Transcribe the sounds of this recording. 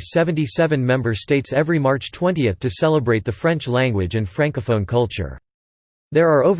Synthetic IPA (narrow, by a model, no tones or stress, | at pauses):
sɛvɨ̃ntisɛvɨ̃nmɛ̃mbə˞z̥steɪtsɛvɹimɑɹt͡ʃtʰw̥ɛ̃ntiɨθtʰɨsɛlˠəbɹeɪt̪̚ðɨfɹɛ̃nt͡ʃlæ̃ŋɡwɪd͡ʒɨ̃nfɹæ̃ŋkəfõʊ̃nkʰʌlˠt͡ʃə̰˞ | ðə˞ə˞oʊv